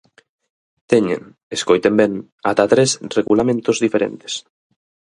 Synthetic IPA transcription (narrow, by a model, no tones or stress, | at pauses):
t̪eɲḛŋ | eskojt̪embeŋ | at̪at̪ɾesreɣulamẽnt̪ozðifeɾḛnt̪e̥s